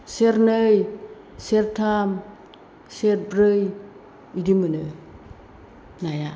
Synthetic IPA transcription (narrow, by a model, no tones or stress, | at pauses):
seɾnɯj | seɾtʰam | set̚bɾɯj | idimɯnɯ | naja